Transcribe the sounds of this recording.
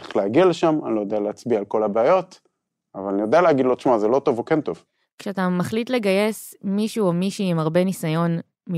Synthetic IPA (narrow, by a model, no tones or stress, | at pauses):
eχleaɡialeʃamanilojod̪ealeat͡sbiaːlko̞labeːjo̞t̪ | avalanijodealeaɡid̪lot̪ʃmazelo̞to̞vokent̪o̞v | kʃeatamaχlit̪le̞ɡaje̞s | miʃuomiʃuimaʁbe̞nisajo̞n | mi